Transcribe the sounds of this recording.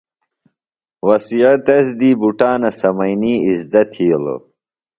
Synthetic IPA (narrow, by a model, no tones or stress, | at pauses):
wɐsijɐt̪ɐsd̪iːbuʈaːnɐsɐmɐjniːizd̪ɐt̪ʰhiːlə̰